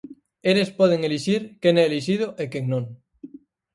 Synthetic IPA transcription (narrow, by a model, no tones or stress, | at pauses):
elespɔð̞eŋeliʃiɾkenɛliʃ̬ið̞oʔekeŋnõŋ